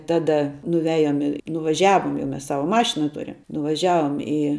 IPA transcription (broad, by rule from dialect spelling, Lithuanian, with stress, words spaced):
ˈtɑːdɐ nʊˈʋʲæːjoːm ɪ nʊʋɐˈʒʲæːʋoːm jɛʊ ˈmʲɛs ˈsɑːʋɐ ˈmɑːʃʲɪnɐ ˈtʊrʲɪm nʊʋɐˈʒʲæːʋoːm ɪ